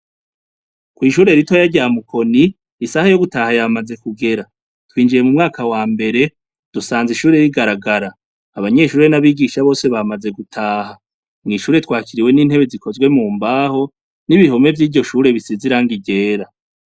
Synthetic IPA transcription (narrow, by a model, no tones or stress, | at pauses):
kwiːʃuːɾe̞ɾitojaɟaːmukʰo̞niː | sahajo̞ɡutahajamaze̞kuɡe̞ɾa | twiːnd͡ʒije̞mumŋaːkawaːmbe̞ɾe̞ | d̥usaːnziʃuːɾe̞jiɡaɾaɡaɾaː | βaɲe̞ːʃuːɾe̞naβiɡiʃaβo̞ːse̞βamaze̞ɡutʰaːɦa | mŋiːʃuːɾe̞twaːkiɾiwe̞niːn̥he̞βe̞zikʰo̞zɡwe̞muːmbaːho̞ | niβiho̞me̞vɟiːɾɟo̞ʃuːɾe̞βisiziɾaːŋɡiɟe̞ːɾa